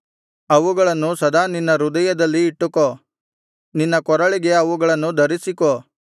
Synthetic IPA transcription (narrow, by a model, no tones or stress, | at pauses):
ɐʋuɡɐɭɐnːusɐd̪aːninːɐɾud̪ɐjɐd̪ɐlːiːʈːuko | ninːɐkɔɾɐɭiɡe̞ɐʋuɡɐɭɐnːud̪ɐɾisiko